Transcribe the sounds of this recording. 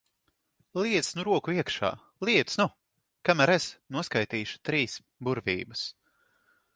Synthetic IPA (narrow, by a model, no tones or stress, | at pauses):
lˠiɛt̪snuɾuɔkuiɛkʃa̰ː | lˠiɛt̪snu | kamæɾesnuɔskajt̪iːʃu̥t̪ɾiːs | buɾvḭːbɐs